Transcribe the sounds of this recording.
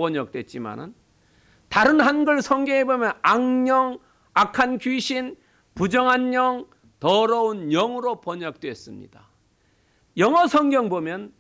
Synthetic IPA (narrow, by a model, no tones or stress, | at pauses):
ʌɲʌk̚t͈we̞t̚t͡ɕ͈ima̰nɯn | taɾɯnɦanɡʌɭsʰʌŋɡjʌŋebomjʌnaŋɲʌŋ | akʰankɥiɕʰin | pud͡ʑʌŋɦanɲʌŋ | tʌɾʌunjʌŋɯɾopʌɲʌk̚t͈we̞s͈ɯmɲḭda | jʌŋʌsʰʌŋɡjʌŋbomjʌn